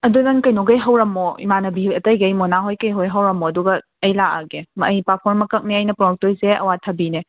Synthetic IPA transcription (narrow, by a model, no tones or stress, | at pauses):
ɐdudɐnkɐjnoɡɐjɦɐwɾɐmːɔḭmanɐbiɐtɐjɡɐjmonaɦojkɐjɦojɦɐwɾɐmːɔɐduɡɐː | jlaa̰ɡemɐjpapʰɔɾmɐkɐk̚neɐjnɐpɾɔɔk̚tojseɐ̰watʰɐbine